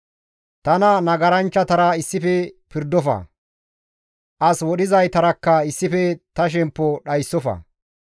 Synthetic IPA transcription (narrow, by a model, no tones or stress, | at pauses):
t̪ɐnɐnɐɡɐɾɐnt͡ʃːɐt̪ɐɾɐɪsːɪfɛpɪɾd̪ɔfɐ̰ | ʔɐswɔɗɪzɐjt̪ɐɾɐkːɐɪsːɪfɛt̪ɐʃ̬ɛmpːɔɗɐjsːɔfɐ̰